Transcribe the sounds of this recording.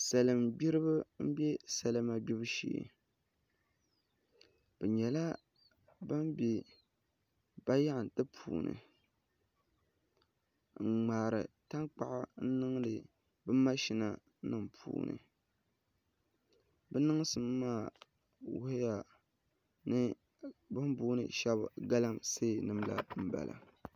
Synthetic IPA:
sa˨lɨ˨mbi˦ɾɨ˦bɨ˦m̩˦bɛ˦sa˨lɨ˦ma˨bi˦bɨ˦ʃḛː˨ | bɛ˨ɲɛ˨la˦ | ba˦mbi˨ | b̥a˦ja˦ʔn˨tɨ˦pʰṵː˨nɨ̰˨ | ŋ̩˨ŋ͡maː˨ɾɨ̰˨ta˦ŋk͡pa˨ʔɪ˦n̩˦nɨ˦ŋ˦lɨ˨ | bɨ˦mː˦a˦ʃi˦na˦ | nɨ˦mpʰṵː˨˦nɨ̰˨ | bɛ˦nɨ˦ŋ˦sɨ˨mː˦aː˦˨ | wʊ˦hɪ˦ja˨ | nɨ˦ | bɨ˦m˦buː˦nɨ̰˨ʃɛ˦b̰ɡa˦la˦mse˦˨nɨ˦mla̰˨m̩˦ba̰˨lʔa̰˨

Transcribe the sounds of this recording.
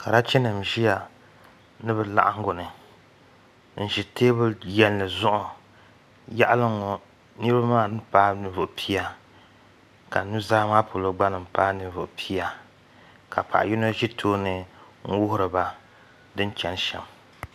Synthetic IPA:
ka˨ɾa˦t͡ʃɛ˦nɨ˨m˨ʒi˦ja˨ | nɨ˦bɛ˦la̰˦ʔa˦ŋ˦ɡo˨nɨ˨ | n̩˨ʒi˨teː˦bɨ˦jɛ˦nːɨ˨zʊ˦ʔʊ˨ | ja˦ʔa˦lɨ˦ŋɔ˨ | nɨ˦ɾɨ˦ba˦maː˦˨nɨ˦paː˦nɨ˨˦vʊ˨ʔpʰi˦a˨ | ka˨nu˦zaː˦maː˦po˨lo˦ɡ͡ba˦nɨ˨m̩˨paː˦nɨ˨˦vʊ˨ʔpʰi˦a˨ | ka̰˨pa̰˨ʔji˦no˦ʒi˦tʰoː˦nɨ˨ | ŋ̩˦wʊ˦hʊ˦ɾɨ˨ba˦ | dɨ˦n˦t͡ʃɛ˨n˦ʃɛ̰˨m

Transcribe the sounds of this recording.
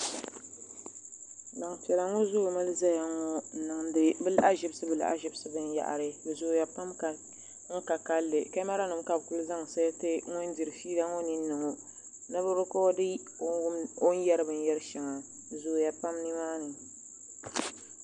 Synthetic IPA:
la˨ŋtɛ˨la˨ŋo˦zo˦˨ma˦lɨ˦za˦ja˨ŋo˦˨nɨ˨ŋ˨bɨ˦la˦ʔa˦ʒɪ˦bɨ˦sɨ˦bɨ˨la̰˦˨ʔa̰˦ʒɪ˦bsɨ˦bɨ˦n˦ja̰˨ʔa̰˨ɾɨ˦bɨ˨zo˨ja˨pa˦mka˨ | ŋ̩˦ka˨ka˦lːɨ˨ka˦ma˦ɾa˦nɨ˨mka˦bku˦lɨ˦za˦ŋ˨sa˦jtɨ˦ŋʊ˦n˦di˨ɾɨ˨fiː˦la˦ŋo˦nɨ˦n̩ː˦ɨ˨ŋo˨ | nɨ˦bɨ˦ɾʊ˦kɔ˦dɨ˦o˦n˦jɛ˦ɾɨ˦bɨ˨n˦jɛ˦ɾɨ˦ʃɛ˨ŋa˨ | bɨ˨zo˨ja˨pa˦mni˦maː˦nɨ˨

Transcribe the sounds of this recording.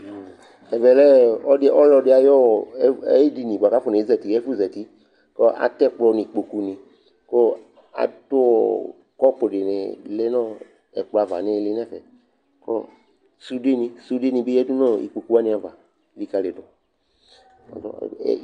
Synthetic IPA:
ɛ˨vɛ˨lɛ˦ɔ˦dɪ˧˦ɔ˦lɔ˧˨˧dɪ˦a˨jɔ˦˨˦ḛ˦di˨nĩ˨ɡ͡ba˨ka˦fo˨nẽ˨i˦zɛ˨ti˨ɛ˦fu˦zɛ˨ti˦ | kɔ˦ʔa̰˨tɛ˦k͡plɔ˨˧nĩ˨k͡po˨ku˦nĩ˨ | kɔ˦ | a̰˨to˦ɔ̰˨ | kɔ˦po˨de˨nḛ˨le˦nɔ̃˦ | ɛ̰˨k͡plɔ˨a˨va̰˨ne˦le˦nɛ˦˨fɛ˨ | kɔ̰˦ | su˦de˦nĩ˧su˦de˦nĩ˧be˦ɛ˦du˦nɔ̃˦ḭ˨k͡po˨ku˦a˦nĩ˨˦a˨va˨˦ | li˨ka˧le˨dɔ˨ | ɔ̰˨dɔ̰˦˨˦

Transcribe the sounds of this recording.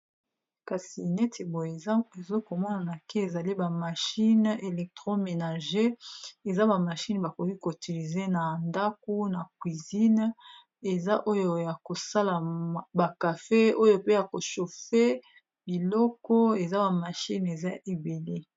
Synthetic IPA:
ka˨si˨nɛe˦tʰe˨bo˨je˨˦e˨zo˦ko˨mɔ˦na˨na˨ke˦e˨za˨li˦ba˨ma˨ʃi˦ne˨lɛ˨k̚tʁo˦me˨na˨ʒe˦e˨za˦ba˨ma˨ʃi˦nba˨ko˨ki˦ko˨ti˨li˨ze˦na˨nda˦k̚o˦na˨kwi˨zi˦n | e˨za˦ʔo˦jo˨ja˨ko˨sa˦la˨ba˨ka˨fe˦o˦jo˨pe˦ja˨ko˨ʃo˨fe˦ | bi˨lɔ˦kɔ˦e˨za˦ba˨ma˨ʃi˦ne˨za˦ʔe˨be˨le˦

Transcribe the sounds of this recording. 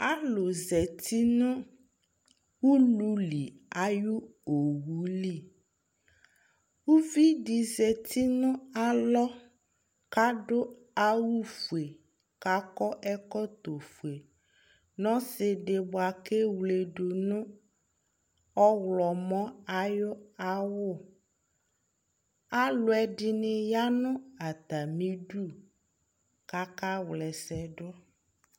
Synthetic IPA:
a˦lo˨zɛ˨t̪i˦nʊ̃˦ | wu˦lũ˦li˨ | a˨ju˦o˨wu˨˦li˦˨ | wu˦vi˦ɖi˨zɛ˨t̪ʰi˦nʊ̃˦a˨lɔ˦ | ka˦ɖʊ˦ | a˦wu˦fu˨e˨ | ka˦kɔ˦ʔɛ˦kɔ˦t̪o˨fu˨e˨ | nɔ̃˦sɪ˨ɖɪ˨bo˨a˨ke˦wle˨ɖo˨nũ˦ | ɔ˦wlɔ˨mɔ̃˦a˨jʊ˦a˨wʊ˦˨ | a˦lʊ˨ɛ˨di˦nɪ̃˨ja˦nʊ̃˦a˨t̪a˨mĩ˦ɖu˦ | ka˦ka˦wlɛ˨sɛ˨ɖʊ˦

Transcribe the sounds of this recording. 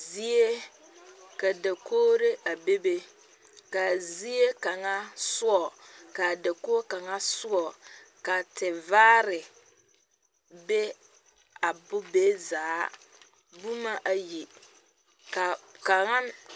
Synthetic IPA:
zi˦e˦ | ka˨da˨koː˦ɾe˦ʔa˨be˦be˦ | ka˨zi˦e˦ka˨ŋa˦sʊ˦ɔ˨ka˨da˨ko˦ka˨ŋa˦sʊ˦ɔ˨ | ka˨tɪ˨vaː˦ɾɪ˨ | be˦ | a˨bʊ˦be˦zaː˨˦ | bu˦ma˦ʔa˨ji˨ | ka˨ka˨ŋa˦n

